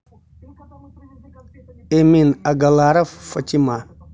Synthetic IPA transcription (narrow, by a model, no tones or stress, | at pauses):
eminaɡalaɾaffat͡ʃima